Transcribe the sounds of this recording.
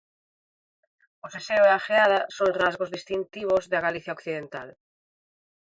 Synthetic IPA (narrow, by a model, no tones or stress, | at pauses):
oseseoeaxeaðasonrazɣozðist̪int̪iβ̞ozðeaɣaliθjaokθiðent̪al